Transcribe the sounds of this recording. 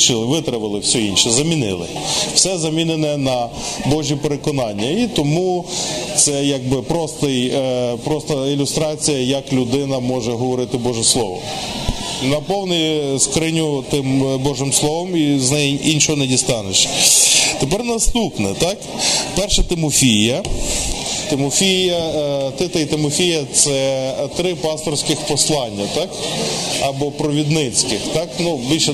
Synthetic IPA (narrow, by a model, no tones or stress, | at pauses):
t͡ʃɪlˠɪʋɪt̪ɾɐʋɪlˠɪwsʲɔinʃɛzɐmʲinɪ̰lˠɪ̰ | w̥sɛzɐmʲinenɛnɐ | bɔʒʲipeɾekɔnɑnʲːɐit̪ɔmut̪sɛjɐɡ̚bɪpɾɔst̪ɪjpɾɔst̪ɐilʲʊst̪ɾɑt͡sʲijɐjɐklʲʊd̪ɪnɐmɔʒɛɦɔʋɔɾɪt̪ɪbɔʒɛslˠɔʋɔ̰ | nɐpɔwnɛjskɾɪnʲut̪ɪmbɔʒɪmslˠɔʋɔmiznɛjʔinʲʃɔɦɔnɛdʲist̪ɑneʃ | t̪epɛrnɐst̪upnɛt̪ɑk | pɛrʃɛt̪ɪmɔfʲijɐ | t̪ɪmɔfʲijɐt̪ɪt̪ɐit̪ɪmɔfʲijɐt̪sɛt̪ɾɪpɑst̪ɔrsʲkɪxpɔslˠɑnʲːɐt̪ɑkɐbɔpɾɔʋʲid̪nɪt͡sʲkɪxt̪ɑknubʲilʲʃɛ